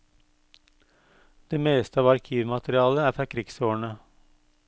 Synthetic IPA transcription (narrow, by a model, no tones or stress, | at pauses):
d̪̥eːmeːst̪əɑːʋɑɾkʰiːʋmɑt̪ɾɪɑːləæːfɾɑːkʰɾɪɡsoːɳə